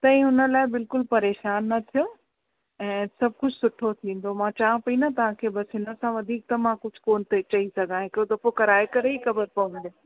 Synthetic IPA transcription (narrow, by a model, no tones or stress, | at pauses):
t̪ɐ̃ĩʊnə̆laːɪbɪlkʊlpɐɾeːʃaːnːɐt̪ʰijo | ɛ̃ːsɐb̚ʱkʊd͡ʑʱsʊʈʰot̪ʰĩːn̆d̪omãt͡ɕaːãpɐĩnat̪ɐʋ̤ãkʰeːbɐsɦɪnə̆sãʋɐd̪ʱiːk̚t̪ɐmãkʊd͡ʑʱʊ̥koːnt̪et͡ɕɐisɐɡʱãɦɪkɾot̪ɐpokɐɾaːekɐɾeixɐbəɾpɐʋə̃nd̪o